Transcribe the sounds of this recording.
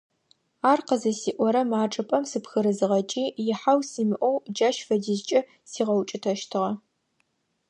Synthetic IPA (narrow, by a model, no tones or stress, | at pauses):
aːrqəzɐsiːʔʷɔɾɐmaːʈ͡ʂʼɨpʼɐmsɨpxɨɾɨzɨʁɐt͡ʃʼiːjɪħawsiːmɨʔʷɔwd͡ʒɐʃfɐdɪzt͡ʃʼɐ | siːʁɐwt͡ʃʼɪtʰɐʃtʰɨʁɐ